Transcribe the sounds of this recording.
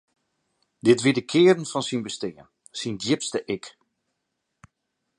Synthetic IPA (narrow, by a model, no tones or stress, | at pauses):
dɪtʋidəkʰɪːərən̩fɔnsinbəstɪːən | sindjɪpstəʔɪk